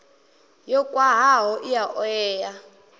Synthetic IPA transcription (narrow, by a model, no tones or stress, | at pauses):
jɔkʼwaɦaɦɔʔijaʔɔɛːja